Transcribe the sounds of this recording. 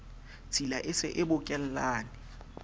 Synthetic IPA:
t͡sʰilaʔɪsɪ̰ʔɪbʊkʼɛl̩laːnɪ

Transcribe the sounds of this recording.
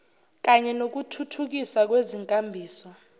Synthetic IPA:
k̬ʼaɲɛnok̬utʰutʰuk̬ʼisak̬weziŋkʼambʱiːswɔ

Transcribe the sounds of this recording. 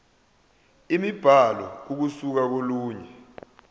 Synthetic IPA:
imib̥ʱalɔuk̬usuk̬ak̬oluːɲɛ

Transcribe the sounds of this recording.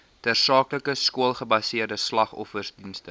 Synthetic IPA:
tæːrsɑːkləkəskuəlˠχəbɐsiərdəslɐχɔ̰fərsdinstə

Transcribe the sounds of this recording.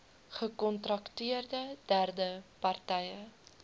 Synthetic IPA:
χəkɔntrɐktiərdədærdəpɐrtɛjə

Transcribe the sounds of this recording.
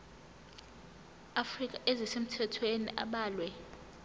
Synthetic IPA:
afrik̬ʼaʔezisem̩tʰɛtʰwenḭʔaɓaːlwɛ

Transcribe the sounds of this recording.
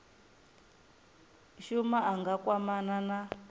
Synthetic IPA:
ʃumaaŋɡakwamanana

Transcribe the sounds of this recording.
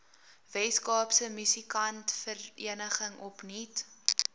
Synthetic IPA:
vɛskɑːpsəmysikɐntfəriənəχəŋɔpnit

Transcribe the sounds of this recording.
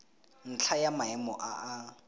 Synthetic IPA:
n̩t͡ɬʰajamaɛmɔʔaʔa

